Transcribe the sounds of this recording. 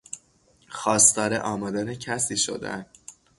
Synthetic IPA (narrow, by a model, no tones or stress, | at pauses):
xɒːst̪ɒːɾḛʔɒːmɒd̪ænecʰæsiːʃo̰d̪æ̰nd̪